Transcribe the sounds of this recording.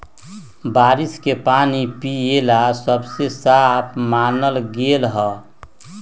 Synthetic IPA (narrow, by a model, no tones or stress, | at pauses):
baːɾiskepaːnipielasəbsesapʰmaːnəlɡelɦɔː